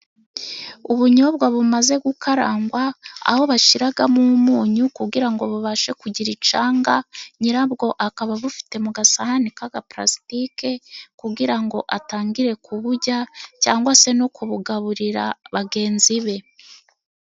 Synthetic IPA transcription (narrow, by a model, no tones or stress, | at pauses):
uβuɲo̞bɡwaβumaze̞ɡukʰaɾaːŋɡwaa̰ho̞βaʃiɾaɡamumuːɲukuɡiɾaŋɡo̞βuβaʃe̞kuɟiɾit͡ʃaːŋɡaɲiɾabɡo̞ʔakaβaβufi̥te̞muɡasahanikaɡapɾa̰stike̞kuɡiɾaŋɡo̞ʔataːŋɡiɾe̞kʰuβuɟacaːŋɡwase̞nokuβuɡaβuɾiɾa̰βaɡe̞ːnziβe̞